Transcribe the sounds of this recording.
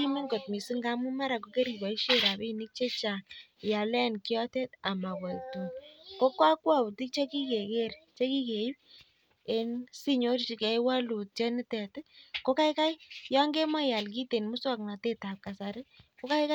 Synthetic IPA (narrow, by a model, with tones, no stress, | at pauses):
i˦me˦ŋɡo˨t̚mi˨si˦ŋɡa˦mu˦ma˦ɾa˨ko˨˦ke˦ɾi˨ba˨i˦ʃe˦ɾa˨bi˦ni˦k̚t͡ʃe˦t͡ʃa˨ja˨lɛ˦nkjɔ˦tɛ˦ta˨ma˨bɔ˨tu˨nko˦kwa˦kwa˦bu˨ti˦k̚t͡ʃe˦ki˦ke˨ke˦ɾt͡ʃe˦ki˦ke˨i˦p̚ | e˦nsi˦ɲo˦ɾt͡ʃi˨kɛ˨wa˦lu˨t̚t͡ʃɛ˦nɪ˦tɛ˨tɪ˦ko˦ka˦ɪ˦ka˦jjɔ˦ŋɡe˦ma˦ja˨lk̬i˦te˨nmʊ˦swa˦kna˨te˦ta˨p̚ka˨sa˨ɾɪ˦ko˦ka˦ɪ˦ka˦